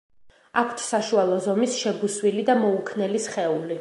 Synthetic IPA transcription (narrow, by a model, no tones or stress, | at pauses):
akʷʰt̪ʰsaʃualˠɔzɔmisʃɛbuswilid̪amɔukʰnɛlisχɛuli